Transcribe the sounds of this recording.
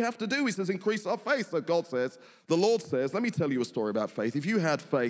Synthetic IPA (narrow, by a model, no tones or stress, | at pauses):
hæftədɨisɛzɨ̃nkʰɹ̥isaʊəfeɪθsoʊɡɑd̥sɛz̥ | ðəlɔɹd̥sɛzlɛt̚mitʰɛlˠjɨəstɔːɹiəbaʊtfeɪθɨfjɨəd̥feɪ